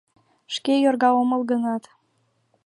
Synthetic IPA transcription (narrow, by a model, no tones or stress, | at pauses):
ʃkejorɣɑoməlˠɣənɑt̪